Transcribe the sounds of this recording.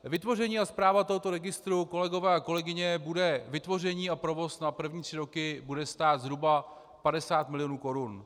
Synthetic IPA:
vɪt̪vo̞rɛɲiːaspɾaːvat̪oɦo̞t̪o̞ɾɛɡɪst̪ɾuko̞lɛɡo̞vɛːako̞lɛɡɪɲɛbudɛvɪt̪vo̞rɛɲiːapɾo̞vo̞snapr̩vɲiːt̪r̝̥ɪɾo̞kɪbudɛst̪aːt̪zɾuba | padɛsaːt̪mɪlɪjonuːko̞ɾun

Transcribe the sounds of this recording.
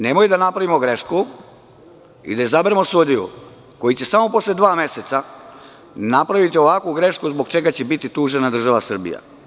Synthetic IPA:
ne̞mojid̪anapɾaʋimo̞ɡɾe̞ʃku | ḭd̪ajezabeɾemo̞sud̪ijṵ | ko̞jit͡ɕe̞samo̞po̞sled̪ʋaːme̞se̞t̪sa | napɾaʋit̪io̞ʋakʋuɡɾe̞ʃkuzbo̞ɡt͡ʃe̞ɡat͡ɕebit̪it̪uːʒe̞nad̪r̩ʒaʋasr̩bḭja̰

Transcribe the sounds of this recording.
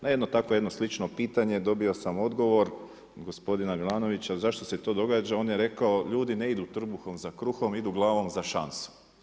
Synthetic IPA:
najed̪not̪ako̞je̞d̪no̞slit͡ʃno̞piːt̪aɲe̞d̪o̞biosamo̞d̪ɡo̞ʋo̞ɾ | ɡo̞spo̞d̪inamilˠaːno̞ʋit͡ɕazaʃt̪oset̪o̞ːd̪o̞ɡaːd͡ʒao̞ːnjeɾe̞kaoʎuːd̪ineid̪ut̪r̩buxo̞mzakɾuxo̞mid̪uɡlˠaːʋo̞mzaʃansu̥

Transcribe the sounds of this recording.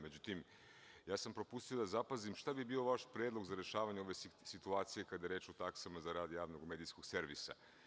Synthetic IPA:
med͡ʑut̪im | jaːsampɾo̞pust̪ijo̞d̪azapazimʃt̪abibiːo̞ʋaʃpɾedlˠo̞ɡzaɾe̞ʃaːʋaɲeo̞ʋe̞sit̪uaːt̪sije̞kad̪ajeɾe̞ːt͡ʃot̪aksamazaɾaːd̪jaːʋno̞ɡme̞d̪isko̞ɡ̥se̞ɾʋḭsa̰

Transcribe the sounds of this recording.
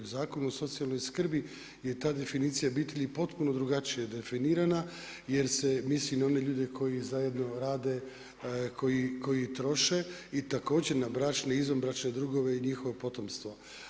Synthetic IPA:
uzaːko̞nuoso̞t̪sialˠno̞jskr̩bi | je̞t̪aːd̪e̞finiːt̪sijabiːt̪eʎipo̞t̪puno̞d̪ɾuɡat͡ʃijed̪e̞finiːɾana | jeɾsemislinao̞ne̞ʎuːd̪e̞kʰo̞jizaje̞d̪no̞ɾaːd̪e̞ | kʰo̞jiko̞jit̪ɾo̞ʃe̞it̪ako̞ːd͡ʑeɾnabɾat͡ʃneizombɾat͡ʃned̪ɾuɡo̞ʋe̞iɲixo̞ʋopo̞t̪o̞mst̪ʋo

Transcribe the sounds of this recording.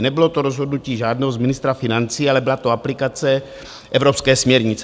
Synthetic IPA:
nɛbɪlot̪oɾozɦo̞dnuciːʒaːdnɛːɦozmɪnɪst̪ɾafɪnant͡siːalɛbɪlat̪oaplɪkat͡sɛ | ʔɛvɾopskɛːsmɲɛɾɲɪt͡s

